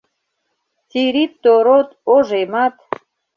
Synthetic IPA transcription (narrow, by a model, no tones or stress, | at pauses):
tiɾit̪ːoɾot̪oʒemɑt̪